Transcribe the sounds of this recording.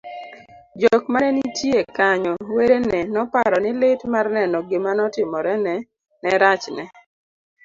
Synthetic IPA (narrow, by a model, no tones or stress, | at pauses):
d͡ʒokmanɛnitjekaɲɔweɾenɛnɔpaɾɔnɪlɪtmarnɛnɔɡɪmanɔtɪmɔɾɛnɛ | nɛɾat͡ʃnɛ